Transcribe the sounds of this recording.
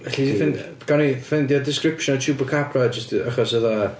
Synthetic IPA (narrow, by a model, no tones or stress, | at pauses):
vɛɬidifɪn | ɡ̥anifɪndiɔdɪskrɪpʃɔnɔtʰubəkʰapʰrad͡ʒəstaχɔsəða